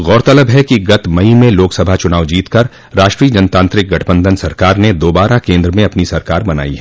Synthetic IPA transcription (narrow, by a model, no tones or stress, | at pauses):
ɣɔːɾt̪ɐləbɦɛkiɡɐt̪mɐimẽloːksɐbʱat͡ʃʊnaːʋd͡ʒiːt̪kɐɾ | ɾaːʃʈɾiːəd͡ʒɐnt̪ãːnt̪ɾɪk̚ɡɐʈʰbə̃nd̪ʱənsɐɾkaːɾned̪oːbaːɾakẽːnd̪ɾəmẽɐpnisɐɾkaːɾmɐna̰ːiɦɛː